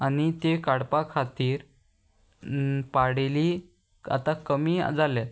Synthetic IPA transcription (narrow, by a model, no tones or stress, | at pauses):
anit̪ekaɽpakʰat̪iːɾ | paɽeli | a̰t̪akəmḭːd͡zale